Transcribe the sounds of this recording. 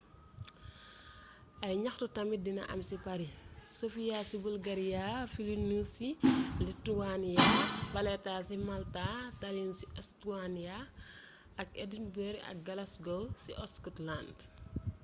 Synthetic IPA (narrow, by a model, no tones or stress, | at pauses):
ʔɐjɲɐxtutɐmidinɐ̰ʔɐmsipɐɾisofijasibulɡɐɾijafilinusilituwanjabɐlɛtasimaltatalinsiʔɛstuwanija | ɐkɛdinbɛɾiɐ̰k̚ɡɐlɐsɡɔlsiʔɔskɔtland